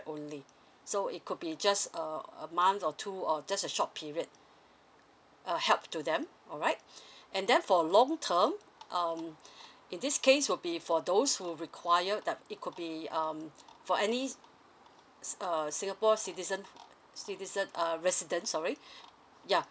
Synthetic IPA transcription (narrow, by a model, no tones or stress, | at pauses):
ʔõnli | soḭt̚kʰud̚bid͡ʒasəə̰mãnθɔtʰuɔd͡ʒasəʃɔt̚pʰiɹiəd̚ | ʔʌhɛlˠp̚tudɛ̃m | ɔɹaɪt̚ʔɛ̃ndɛ̃nfɔəlɔ̃ŋtʰəm | ʔʌmĩndiskʰeswɪbifɔdoshuɹikʰwajədɛt̚it̚kʰud̚biʌmfɔɛni | ʌsĩŋapɔsitizə̃n | sitizə̃nʌɹɛsidə̃nsɔɹi | ja